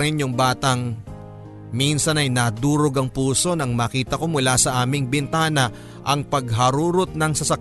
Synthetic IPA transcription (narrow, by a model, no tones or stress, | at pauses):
ɪnjʊŋbaːt̪ɐŋ | minsɐnɐjnɐd̪uːɾoɡɐŋpuːso̞nɐŋmaːkiːt̪ɐko̞mʊlasɐʔaːmɪŋbɪnt̪aːnɐ | ʔɐŋpɐɡɦɐɾuːɾot̪̚nɐŋsɐsɐk